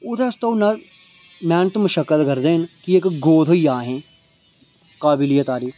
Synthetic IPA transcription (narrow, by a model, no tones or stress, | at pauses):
ʊt̪ɐst̪ɐwnɐ | mɛːnt̪mʊʃɐkːəlɡɐɾd̪eːnkiekɡoːd̪ʰʱoijaːɦẽː | kaːbɪlijɐt̪aːɾi